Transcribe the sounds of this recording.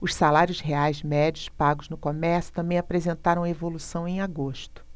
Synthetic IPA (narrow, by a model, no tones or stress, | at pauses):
ʊʃsalaɾjʊsheajzmɛd͡ʒiʊspaɡʊznʊkomɛɾsʊ̥t̪ɐ̃mbẽj̃apɾezẽnt̪aɾɐ̃w̃ɐevolusɐ̃w̃ẽj̃aɡoʃt̪ʊ̥